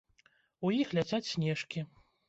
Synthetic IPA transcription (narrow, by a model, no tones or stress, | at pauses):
ujixlʲat͡sʲat͡sʲsʲnʲɛʂkʲi